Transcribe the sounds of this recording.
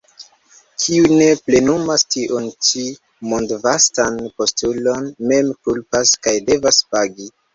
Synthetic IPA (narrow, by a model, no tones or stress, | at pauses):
kʰiune̞ple̞numastiʔont͡ʃi | mondvastanpo̞stulo̞nme̞mkulpaskajde̞vaspaɡi